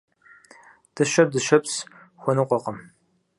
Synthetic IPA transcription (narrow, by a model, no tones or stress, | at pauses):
d̥ɨʃɐdɨʃɐps | xʷɔnɨqʷɔqəm